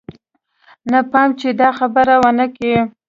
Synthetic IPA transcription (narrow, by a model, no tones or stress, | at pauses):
napɑmt͡ʃed̪ɑxabəɾawənəke